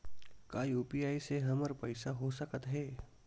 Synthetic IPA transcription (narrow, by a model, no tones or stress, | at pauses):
kaːjuːpijaːiseɦɐməɾpəɪsaɦosəkət̪ɦɛː